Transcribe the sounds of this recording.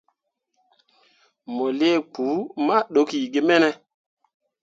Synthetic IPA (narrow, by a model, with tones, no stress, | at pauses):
mo˨le˦˨k͡pu˨˦ma˦ɗo˨˦ki˨ɡe˦mɛ˦nɛ˦